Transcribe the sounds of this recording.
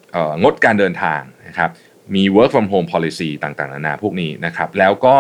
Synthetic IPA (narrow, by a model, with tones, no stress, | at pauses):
ʔɤː˨˩ŋo˦˥t̪̚kaː˧ndɤː˧nt̪ʰa̰ː˧ŋna˦˥kʰɾa˦˥p̚ | miː˧wɤː˦˥k̚fa˧mɦoː˧mpʰɔː˧li˧siː˧t̪aː˨˩ŋt̪aː˨˩na̰˧naː˧pʰuː˥˩k̚niː˦˥na˦˥kʰa˦˥p̚lɛː˦˥wkɔː˥˩